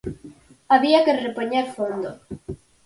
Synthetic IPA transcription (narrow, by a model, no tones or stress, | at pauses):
aβiakerepoɲeɾfond̪o